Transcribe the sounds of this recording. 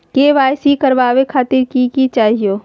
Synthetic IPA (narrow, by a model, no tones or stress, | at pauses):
keːʋaːjsikəɾʋaːʋekʰaːt̪ɪɾkikit͡ʃaːɦijoː